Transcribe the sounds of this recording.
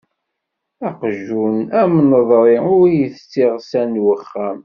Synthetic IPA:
æqʒunæmnəðˤɾˤiʊɾjəθt͡sːɪʁsænwəχːæm

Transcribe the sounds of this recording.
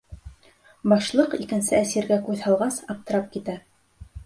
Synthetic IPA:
bɑʃlˠɤqikɘ̆nsɘæsiɾɡækʉðhɑlˠʁɑsɑp̚t̪ɤ̆ɾɑp̚kit̪æ

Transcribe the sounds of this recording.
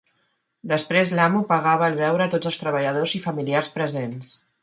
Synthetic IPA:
d̪əspɾezlamupəɣaβəːlˠβɛwɾəːt̪od͡zəlˠst̪ɾəβ̞əʎəð̞ozifəmiliarspɾəzens

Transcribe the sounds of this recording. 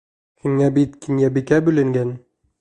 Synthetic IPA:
hiŋæbit̪kinjæbikæbɵ̆lɘ̆ŋɡæn

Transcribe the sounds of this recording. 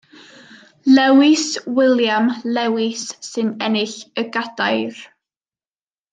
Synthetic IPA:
lɛwɪswɪlˠjamlɛwɪsːɨnɛnɪɬəɡadajr

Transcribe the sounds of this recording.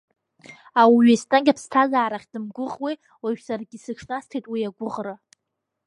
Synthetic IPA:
awɥistʼanɡʲapʰstʰazaːɾaχʲd̥ɨmɡʷʊʁʼwi | waʒᶣsarɡʲisɨʈ͡ʂʰnastʰejtʼwiaɡʷʊʁra

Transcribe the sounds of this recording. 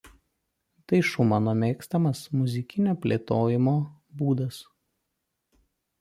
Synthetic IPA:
t̪ɐɪʃʊmɑnoːmʲeːkst̪ɐmɐsmʊzʲɪkʲɪnʲoːpʲlʲḛːt̪oːjɪmoːbuːd̪ɐs

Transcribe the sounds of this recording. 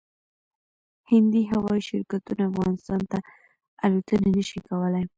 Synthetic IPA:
hɪnd̪iɦawɑiʃɪɾkat̪unaafɣɑnɪst̪ɑnt̪a | alut̪ənanəʃikawəlaj

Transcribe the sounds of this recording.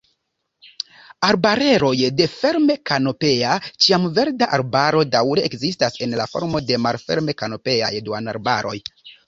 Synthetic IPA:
aɾbaɾe̞ɾo̞jde̞fe̞ɾme̞kano̞pe̞at͡ʃiamve̞ɾdaʔaɾbaɾo̞dawɾe̞ekzistase̞nlafo̞̰ɾmo̞de̞malfe̞̰ɾme̞kano̞pe̞a̰jdua̰na̰ɾbaɾʔo̞̰j

